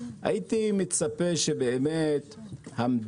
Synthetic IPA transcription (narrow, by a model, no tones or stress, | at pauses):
ʔa̰jit̪imit͡sapeʃe̞beːmet̪hamd